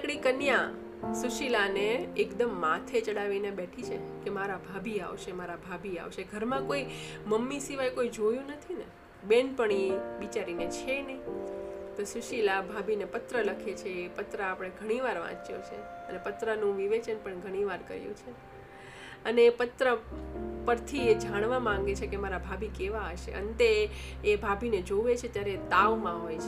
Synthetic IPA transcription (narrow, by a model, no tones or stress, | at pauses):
kɽikənjã | suʃilaneːkd̪əmːãt̪ʰet͡ʃəɽaʋinebɛʈʰit͡ʃʰḛkemaɾabʱabʱia̰ʋʃemaɾabʱabʱia̰ʋʃeɡʱəɾmãkoiməmːisiʋajkoid͡ʒojũnət̪ʰine | benpəɳ̃ibit͡ʃaɾinet͡ʃʰene | t̪osuʃilabʱabʱinepət̪ɾələkʰet͡ʃʰeːpət̪ɾəapɽ̃eɡʱəɽ̃iʋaɾʋã̰t͡ʃjo̰t͡ʃʰḛəlepət̪ɾənũʋiʋet͡ʃənpəɳɡʱəɽ̃iʋaɾkə̰ɾjṵ̃t͡ʃʰe | əneːpət̪ɾəpəɾt̪ʰied͡ʒaɽ̃ʋamãŋ̆ɡet͡ʃʰekemaɾabʱabʱikeʋaəʃḛʔə̰nt̪eːbʱabʱined͡ʒoʋet͡ʃʰet̪jaɾet̪aʋmãɦojt͡ʃʰe